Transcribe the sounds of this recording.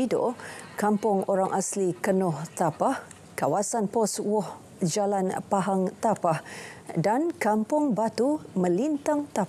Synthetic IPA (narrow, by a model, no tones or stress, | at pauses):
ido̰kampʊŋoɾaŋʔaslikənɔht̪apah | kawasanpɔswɔh | d͡ʒalanpaɦaŋt̪apahdankampʊŋbat̪umə̃lint̪aŋt̪a